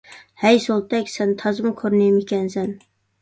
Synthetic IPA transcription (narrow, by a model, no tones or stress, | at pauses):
hæjsolˠt̪ɛkʲsɛnt̪ʰɑzmʊkʲʰøɾnɛjmekʲʰɛnsɛn